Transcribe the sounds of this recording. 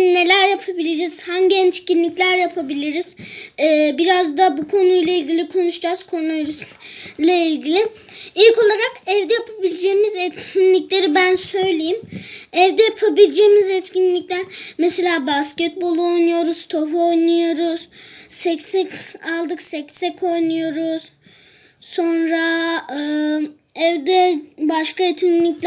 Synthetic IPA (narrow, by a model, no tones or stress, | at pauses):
ne̞lʲæɾjapʰabilʲed͡ʒɛz̥hanɟɛnt͡ʃcinlʲiclʲæɾjapʰabilʲiɾiz̥ː | biɾazd̪abukʰo̞nujlˠailʲɟilʲikʰo̞nuʃd͡ʒaz̥kʰo̞ɾunaɾyslʲailʲɟilʲi | ilʲko̞lˠaɾakɛvd̪ɛjapʰabilʲid͡ʒeːmizɛt̪cʰinlʲiclʲe̞ɾibænsø̞jlʲejimɛvd̪ɛjapʰabilʲd͡ʒeːmizɛt̪cinlʲic̚t̪ænmese̞lʲaːbascɛt̪̚bo̞lˠuo̞jnujo̞ɾuz̥t̪ʰopo̞jnujo̞ɾuz̥sɛcsɛcalˠd̪ɯksɛcsɛkʰo̞jnujo̞ɾuz̥ | so̞nɾaɯ | ɛvd̪ɛbaʃkaet̪ʰinlʲiclʲ